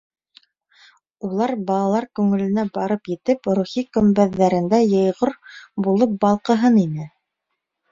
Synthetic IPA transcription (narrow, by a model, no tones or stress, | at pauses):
ulˠɑɾbɑlˠɑlˠɑɾkʉŋɘ̆lɘ̆næbɑɾɤpjɘ̆t̪ɘpɾuχikɵ̆mbæðːæɾɘ̆nd̪æjɤ̆jʁoɾbulˠɤp̚bɑlˠqɤ̆ɦɤninɘ